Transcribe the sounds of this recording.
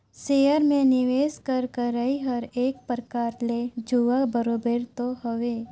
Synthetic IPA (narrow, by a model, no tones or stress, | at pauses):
seːəɾmẽnɪʋeːskəɾkəɾəiɦəɾeːk̚pɾəkaːɾled͡ʒuʋabəɾoːbeɾt̪oɦoʋeː